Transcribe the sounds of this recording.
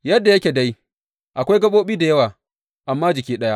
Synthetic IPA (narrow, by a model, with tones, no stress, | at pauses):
jɐ˦dːa˨jɐ˦kʲeː˨da˦j | ʔa˨kʷa˦jɡɐ˦ɓoː˦ɓiː˦da˨jɐ˦waː˨ | ʔa˨mːaː˦d͡ʒɪ˨kʲiː˦ɗɐ˦ja˦